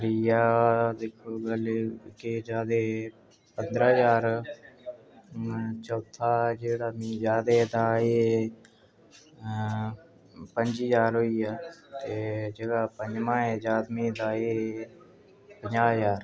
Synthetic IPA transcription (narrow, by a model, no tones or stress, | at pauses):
ɾiːaːd̪eːkʰːoːɡəlkɪd͡ʒaːd̪eː | pənd̪ɾːɦzaːɾ | t͡ʃəlt̪ʰaːd͡ʒeːɽaːmĩːd͡ʒaːd̪eːd̪aːeː | pəɲd͡ʒiːzaːɾɦoːiːaːt̪eːd͡ʒəɡaːpəɲd͡ʒmãːed͡ʒaːd̪mĩːd̪aːeː | pəɲd͡ʒaːjaːɾ